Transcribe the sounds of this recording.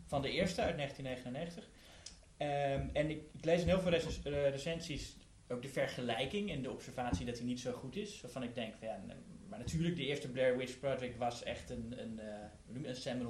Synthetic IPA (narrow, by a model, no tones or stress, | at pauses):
fɑndəɪːɹstəœɥtneχəntinːejχənənːejχəntəχ | əɛnɪkɪklejsɪnɦɪːlˠvɪlˠresɛnsis | owk̚dəfɛɹχəlɛjkɪŋɛndəɔpsɛɹvaːtsidɑtinitsowχutɪsʋaːɹvɑnɪɡ̚dɛŋkfjamaːɹnatʰyːɹlək̚dəɪːɹstəblɛɹwɪt͡ʃprɔtrɪkʋɑsɛ̰χtənən | ənuməənstɛmən